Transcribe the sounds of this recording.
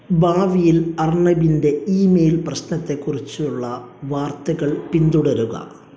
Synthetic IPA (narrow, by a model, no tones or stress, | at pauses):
baːʋijilɐrɳɐbinde̞iːmeːjlprɐɕnɐt̪ːe̞kːurit͡ɕːuɭːɐʋaːrt̪ɐɣɐɭpind̪uɽɐɾuɣɐ̰